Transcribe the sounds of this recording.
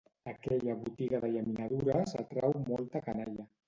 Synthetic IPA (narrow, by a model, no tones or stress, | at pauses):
əkɛʎəβut̪iɣaðəʎaminaðuɾəza̰t̪ɾɛwmɔlˠt̪əkanaʎə